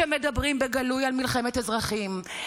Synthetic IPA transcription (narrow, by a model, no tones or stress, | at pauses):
emed̪abʁimbeɡalujalmilχemet̪ezʁaχim